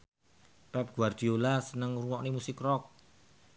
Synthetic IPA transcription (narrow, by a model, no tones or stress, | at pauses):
pɛp̚ɡ̥uard̪̥i̤olasənəŋruwɔʔnimusɪkrɔk̚